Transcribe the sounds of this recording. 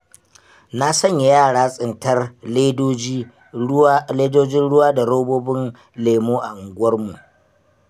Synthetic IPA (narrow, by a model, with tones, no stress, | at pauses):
na˦sɐ˦˨ɲja˨jaː˦˨ɽaː˦sʼɪ˨ntɐ˦rleː˦doː˦d͡ʒiː˦ | leː˦doː˦d͡ʒɪ˦nɽʊ˦waː˦da˨ɽo˦boː˦bɪ˦n | leː˨muː˦ʔa˨ŋ˨ɡʷʊ˦ɐ˦rmu˨ʔ